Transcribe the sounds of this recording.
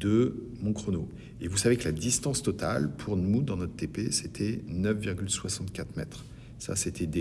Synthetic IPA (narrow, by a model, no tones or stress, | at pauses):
d̪ə | mɔ̃kχono | evusaveklad̪ist̪ɑ̃st̪ɔt̪a̰lpʰuʁnmud̪ɑ̃nɔt̪t̪epeset̪ʰɛnœfviʁɡʲylswasɑ̃t̪kʲat̪χmɛt̪χ | sa̰set̪ʰɛd̪e